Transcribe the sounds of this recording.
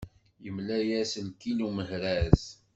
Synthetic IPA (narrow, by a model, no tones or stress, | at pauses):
jəmlæjæsənkinuməɦɾæz